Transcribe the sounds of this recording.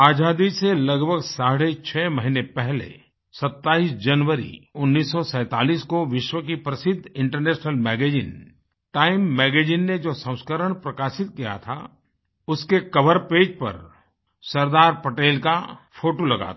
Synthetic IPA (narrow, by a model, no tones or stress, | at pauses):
aːd͡ʒaːd̪iselɐɡbʱəɡsaːɽet͡ʃʰɛːmɐɦinepɛɦlḛ | sɐt̪ːaːiːsd͡ʒɐnʋəɾḭʊnːiːsːɔsɛ̃ːt̪a̰ːliːskoʋɪʃwək̬ipɾɐsɪd̪ʱɪ̃ɳʈəɾnɛːʃnəlmɛːɡeːd͡ʒɪ̰n | ʈaːɪmːɛːɡeːd͡ʒɪnːed͡ʒoːsə̃ʊ̃skəɾəɽ̃pɾɐkaːʃɪt̪̚kija̰t̪ʰa̰ | ʊskekɐʋəɾpeːd͡ʒpɐ̰ɾ | sɐɾd̪aːɾpɐʈeːlkapʰoːʈolɐɡa̰t̪ː